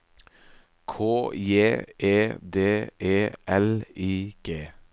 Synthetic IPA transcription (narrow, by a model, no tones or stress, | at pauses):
kʰoːjeːʔeːd̪eːʔeːʔɛliːɡ̥eː